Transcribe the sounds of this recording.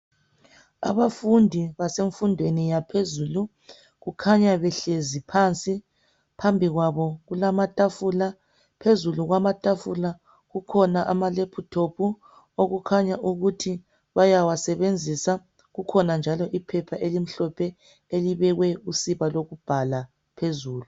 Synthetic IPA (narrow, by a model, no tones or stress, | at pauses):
a̰βafundʱiβaseɱfundʱwenijapʰezuːlu | ɣukʰaɲaβɛɬezipʰant͡sʼi | pʰambʱiɣwaβɔɣulamatʼafula | pʰezuluɣwamatʼafula | ɣukʰɔnaʔamalepʰutʰopʰu | oɣukʰaɲaʔuɣutʰi | βajawasɛβend͡zʱisa | ɣukʰɔnand͡ʒʱalɔʔipʰɛpʰaʔelim̩ɬɔpʰɛ | eliβɛɣwɛusiβaloɣub̥ʱala | pʰezuːlu